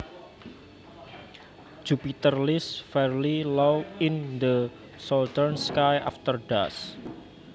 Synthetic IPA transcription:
d͡ʒ̥upit̪ərlisfɛrlilɔwɪnd̪ə | sɔlt̪ərnskaja̰ft̪ərɖas

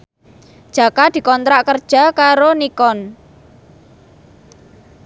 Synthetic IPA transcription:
d̥ʒ̥a̤kad̪̥i̤kɔnt̪ɾaʔkərd̥ʒ̥a̤kaɾonikɔn

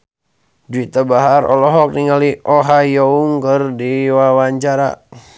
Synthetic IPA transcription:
duit̪abaɦaɾɔ̰lɔɦɔk̚niŋaliʔɔɦajɔuŋkɨrdiwawaɲt͡ʃaɾa̰

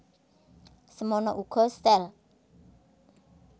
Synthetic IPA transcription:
səmɔnɔʔukʰɔst̪ɛl

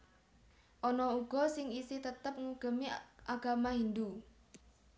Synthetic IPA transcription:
ʔɔnɔuɡ̥ɔ̤sɪŋisit̪ət̪əp̚ŋuɡ̥ə̤miʔaɡ̥a̤maɦind̪u

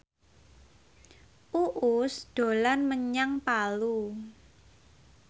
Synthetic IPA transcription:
ʔuʔʊsd̪̥o̤lanməɲaŋpalu

